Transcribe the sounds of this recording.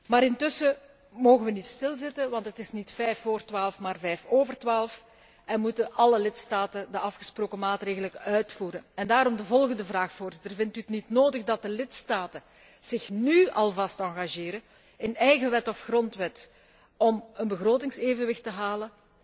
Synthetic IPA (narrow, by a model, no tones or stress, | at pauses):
maːɾɪntʏsə | moːɣəʋənitstɪlˠzɪtəʋɑntɦətɪsnitfɛjfoːrtwaːlˠəfmaːrvɛjfoːvərtwaːlˠf | ɛnmutəʔɑləlɪtstaːtəndəɑfxə̥sproːkəmaːtreːɣələkœɥtfuːɾəɛndaːɾɔmdəvɔlˠɣəndəvraːxvoːrzɪtərvɪntyətnitnoːdəɣdɑt̚dəlɪtstaːtə | z̥ɪxnyʔɑlˠvɑstɑŋɣaʒeːɾə | ɪnɛjɣəʋɛtɔfxrɔntʋɛt | ɔmənbəɣroːtɪŋseːvənʋɪxtəɦaːlə